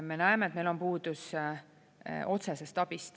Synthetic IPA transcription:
me̞næemeːt̪mejlo̞mpuːd̪us | o̞t̪se̞se̞st̪ɑb̥ist̪

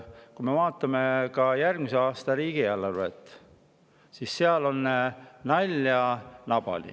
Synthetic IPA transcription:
kume̞vɑːt̪ːˑɑmekɑjærɡmiseɑːst̪ɑɾiːɡ̥iælːɑrvḛt̪ːˑ | sisːeɑlo̞nːnɑlʲjɑnɑb̥ɑ̰lḭ

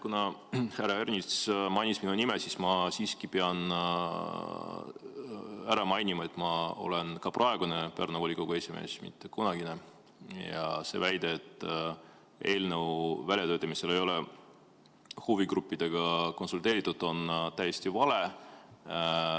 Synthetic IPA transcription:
kunɑhæɾɑernʲismɑjnisminunimesismɑsiːskipeɑn | æɾɑmɑjnimɑe̞t̪ːˑmɑo̞̰lenkɑprʔɑe̞ɡ̥unepernovolʲikoɡ̥uesime̞̰ːsmḭt̪ːˑe̞kunɑɡ̥ine | jɑ̰se̞̰væjd̪eet̪ːˑ | e̞ːlnəwvælʲjɑt̪øːt̪ːˑɑmise̞lejo̞le | huviɡɾupːid̪̥e̞ɡ̥ɑko̞nsult̪ˑe̞ːɾit̪ːˑud̪̥o̞nt̪æje̞st̪ivɑle̞

